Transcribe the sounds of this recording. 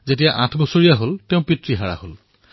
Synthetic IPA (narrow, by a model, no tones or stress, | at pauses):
zet̬ijaʔãtʰbɔsoɹijaɦolteʊ̃pɹitɹiɦaɹa̰hol